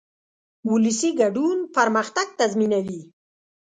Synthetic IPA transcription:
wuləsiɡaɖunpaɾməxt̪aɡ̚t̪azminawi

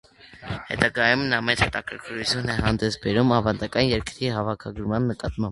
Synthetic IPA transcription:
hɛ̰t̪ɑɡɑjumnɑmɛt͡shɛt̪ɑkʰəɾkʰəɾut͡sʰjunɛɦɑnd̪ɛsbɛɾumɑvɑnd̪ɑkɑnjɛɾkɾiɦɑvɑkʰɑɡəɾmɑnːəkɑt̪mɑmb

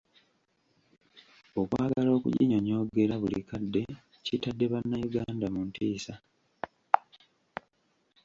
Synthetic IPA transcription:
o̞kwaːɡalo̞ːkṵɟḭɲo̞ɲo̞ːɡe̞ɾaβulḭkadːe̞ | citadːe̞βanːajuɡaːndamuntiːsa

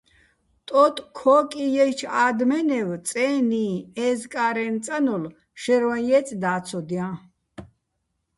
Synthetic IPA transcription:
t̪ʼɔt̪ʼkʰɔːkʼijɛjt͡ʃʰaːd̪mɛnɛwt͡sʼɛːniɛzkʼaːɾɛnt͡sʼanɔl | ʃɛɾwanjɛt͡sʼd̪aːt͡sʰɔd̪ijã

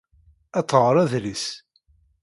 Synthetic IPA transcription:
æt̪ːʁɾˤæðlis

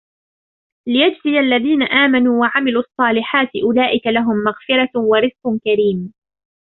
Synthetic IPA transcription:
lɪjad͡ʒsɪjalːaðiːnaʔaːmanuːwaʕamɪluːʔɑsˤːɑːlɪħaːt̪ɪʔʊlaːʔɪkalaɦʊmːaɣfɪɾˤɑwɑɾɪzqkaɾiːm

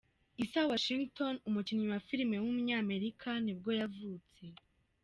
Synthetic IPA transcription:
isawaʃiŋɡto̞numuciɲɲumafiɾime̞wumuɲaːme̞ɾikʰanibɡo̞ːjavuːt͡se̞

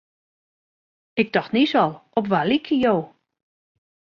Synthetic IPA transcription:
ɪk̚dɔxtnisɔlˠɔpʋalikʰjəjoː

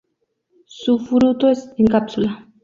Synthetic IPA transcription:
sufɾut̪oesiŋkapsula

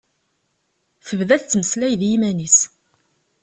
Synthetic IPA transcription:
θəvðæθt͡sːməslæjðjimænis

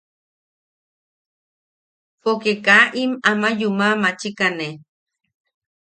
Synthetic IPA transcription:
fokekaʔimamajumamat͡ʃikane

